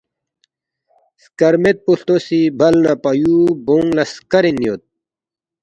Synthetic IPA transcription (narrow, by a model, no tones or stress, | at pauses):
skɐɾmet̪̚puɬt̪osibʱɐlnapɐjuboŋɡlɐskɐɾinijot̪̚